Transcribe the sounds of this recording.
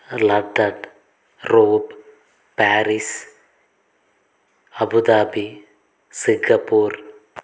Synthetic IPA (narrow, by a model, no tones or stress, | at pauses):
lɐɖɐɖ | ɾoːb | paːɾis | ɐbud̪aːbi | siŋɡɐpːoːɾ